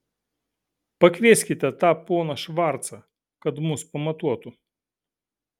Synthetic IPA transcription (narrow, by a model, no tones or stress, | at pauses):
pɐkʋʲesʲkʲɪt̪ʲɛt̪ɑpɔːnɐʃʋɑɾt̪sɐ | kɐt̪mʊspɐmɐt̪uɔt̪ʊ